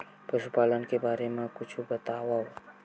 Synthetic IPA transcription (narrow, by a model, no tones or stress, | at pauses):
pɾəʃupaːlənkebaːɾemãkʊt͡ʃʰubət̪aʋa